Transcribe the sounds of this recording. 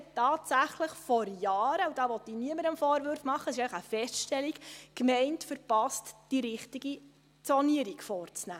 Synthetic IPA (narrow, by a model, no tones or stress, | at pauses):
tɑːtsæχləχfɔɾjɑːɾəud̥ɑːʋɔt̪ːiniəməɾəmfɔːɾʋøɾfmɑχːəsɪʃɛɪləχəfɛstʃtɛlikkmɛɪntfəɾpɑstd̥iɾɪχtiɡi | t͡sɔniəɾikfɔːrt͡snæː